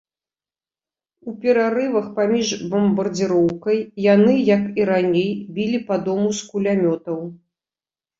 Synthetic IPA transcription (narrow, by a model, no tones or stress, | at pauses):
upʲɛɾaɾɨvɐxpamʲiʐbɐmbɐrd͡zʲiɾɔwkɐjːanɨjɐkiɾanʲejbʲilʲipad̪ɔmuskulʲamʲɔt̪ɐw